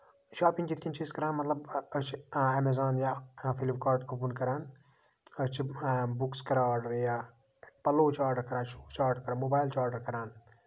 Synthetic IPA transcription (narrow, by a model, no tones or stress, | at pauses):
ʃaːpĩŋɡkit̪ʰkint͡ʃʰiskɐɾaːnmɐt̪lɐbət͡ʃʰiemezaːnjafʰilipkaːɾɖopunkɐɾaːn | ɐt͡ʃʰibukskɐɾaaːɾɖɐɾjaː | pɐloːt͡ʃʰaːɾɖɐɾkɐɾãːnʃuːt͡ʃʰaːɾɖɐɾkɐɾaːnmoːbaːjlt͡ʃʰaːɾɖɐɾkɐɾaːn